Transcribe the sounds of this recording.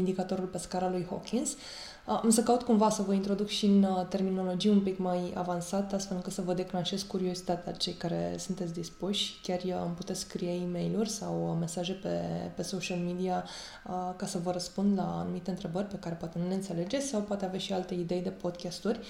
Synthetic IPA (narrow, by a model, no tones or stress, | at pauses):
ind̪ikat̪o̞ɾulpe̞skaɾalujho̞̰kʲins | amsəkaut̪kumvasəvəint̪ɾo̞d̪ukʃiɨnt̪e̞rmino̞lo̞d͡ʒijumpikmaja̰vansat̪ast̪fe̞lɨŋkɨt̪səvəd̪e̞klanʃe̞zkkuɾio̞zit̪at̪ea̰t͡ʃe̞jkaɾe̞̰sunt̪et̪sʲd̪ispuʃʲkʲarɨmput̪e̞t̪skkɾijeime̞jlurʲsawme̞saʒe̞pḛpe̞soʃalmid̪ia | əkasəvəɾəspund̪la̰ːnumit̪e̞ɨnt̪ɾe̞bərʲpe̞kaɾe̞poat̪e̞nuleɨnt̪se̞le̞d͡ʒesawpoat̪eavaʃialt̪e̞id̪e̞jd̪e̞po̞d̪kʲast̪urʲ